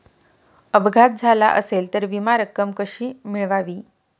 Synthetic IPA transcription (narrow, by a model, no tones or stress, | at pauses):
əbɡʱat̪̚d͡zʱala̰ʔəselt̪əɾʋimaɾəkːəmkəʂiːmiɭʋaʋiː